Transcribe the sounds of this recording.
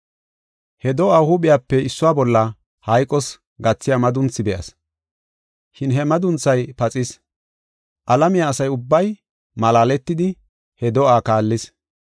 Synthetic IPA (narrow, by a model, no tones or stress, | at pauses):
hɛd̪ɔʔaːhʊbɪjaːpːɛɪsːʊwaːbɔlːɐ | hɐjkʼɔs | ɡɐt͡sːɪjamɐd̪ʊnt͡sːɪbɛʔɐ̰s | ʃɪnɦɛmɐd̪ʊnt͡sːɐjpɐt͡sʼɪs | ʔɐlɐmɪjaːsɐjʊbːɐj | mɐlaːlɛt̪ːɪd̪ɪ | hɛd̪ɔʔaːkaːlːɪs